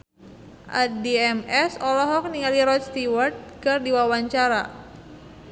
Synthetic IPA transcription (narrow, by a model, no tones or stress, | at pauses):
ʔa̰diɛmɛsɔlɔɦɔk̚niŋaliɾɔt͡ʃ̪st̪iwart̪̚kɨrdiwawaɲt͡ʃaɾa